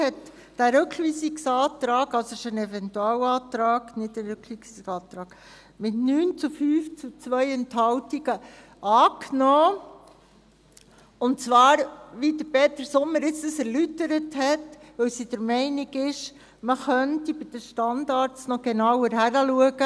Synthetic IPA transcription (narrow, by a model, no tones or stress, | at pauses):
hɛt | d̥æɾʉkʰʋiːsiksɑːt̪ɾɑːɡɑlsoɪʃənɛfɛntuɑːwɑːtɾɑːɡnɪtːæɾʏkʋisiksɑːt̪ɾɑːɡ̥ | mɪtnyːnt͡sufyːft͡sut͡sʋœjɛnthɑwtiɡə | ʔɑːknɔː | ʊnt͡sʋɑːɾʋidəɾpeːt̪əɾsʊmːəɾɪt͡stəsɛɾlytəɾəthɛtʋɵwsid̥əɾmɛɪniɡɪʃ | məχœntibɪd̥əʃtɑndɑɾt͡snɔɡ̥enɑwəɾɦæɾəluəɡə